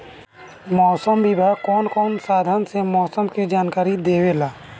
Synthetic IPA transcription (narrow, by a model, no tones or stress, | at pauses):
mɔːsəmbʱibʱakɔːnkɔːnsaːd̪ʱansemɔːsəmkid͡ʒaːnkaːɾid̪eːwelaː